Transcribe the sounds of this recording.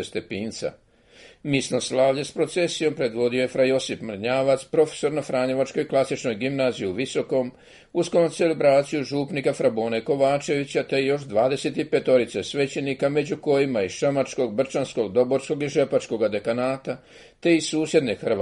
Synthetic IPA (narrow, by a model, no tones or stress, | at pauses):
est̪e̞piːnt̪sa̰ | misnoslaːʋʎespɾo̞t̪se̞sijo̞mpɾe̞d̪ʋo̞d̪ioje̞fɾajo̞sipmr̩ɲaːʋat̪spɾo̞fe̥so̞ɾnafɾaːɲe̞ʋat͡ʃko̞jklˠasit͡ʃno̞jɡimnaːzijuʋiso̞ko̞m | uskoose̞lebɾaːt̪sijuʒuːpnikafɾaboːneko̞ʋaːt͡ʃe̞ʋit͡ɕat̪e̞jo̞ʃd̪ʋaːd̪e̞se̞t̪ipe̞t̪o̞ɾit̪sesʋe̞t͡ɕenikame̞d͡ʑuko̞jimaiʃamat͡ʃko̞ɡbr̩t͡ʃansko̞ɡd̪o̞bo̞ɾsko̞ɡiʒe̞pat͡ʃko̞ɡad̪e̞kanaːt̪a | t̪e̞isuːsje̞d̪nexr